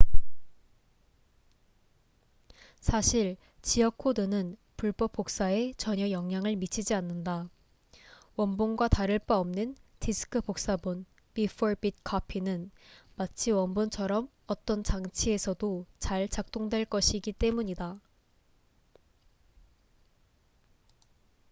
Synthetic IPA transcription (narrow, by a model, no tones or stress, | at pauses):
sʰaɕʰiɭ | t͡ɕijʌkʰːodɯnɯn | puɭp͈ʌp͈ːok̚s͈ae̞t͡ɕʌɲʌjʌŋɲaŋɯɭmit͡ɕʰid͡ʑianːɯnda | wʌnbonɡwataɾɯɭp͈aʌmnɯntʰisʰɯ̥kʰɯbok̚s͈abun | bifʰoɾbit̚kʰʌpʰinɯnmat͡ɕʰiwʌnbont͡ɕʰʌɾʌm | ʌt͈ʌnt͡ɕaŋt͡ɕʰie̞sʰʌdot͡ɕaɭt͡ɕak̚t͈oŋdwe̞ɭk͈ʌɕʰiɡit͈e̞muɲida